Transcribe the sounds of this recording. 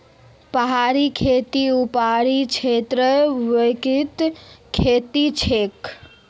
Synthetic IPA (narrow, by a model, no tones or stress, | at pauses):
pəɦaɾikʰet̪iupaɾit͡ʃʰet̪ɾəʋəkit̪kʰet̪it͡ʃʰek